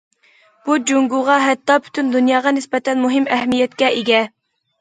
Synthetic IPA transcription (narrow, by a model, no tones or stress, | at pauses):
b̥ud͡ʒoŋɡuʁɑɦɛt̪ːɑpʰy̥t̪ʰynd̪unjɑːʁɑnɪspɛt̪ʰɛnmuɦɪmɛhmijɛt̪̚kʲɛʔeɡʲɛ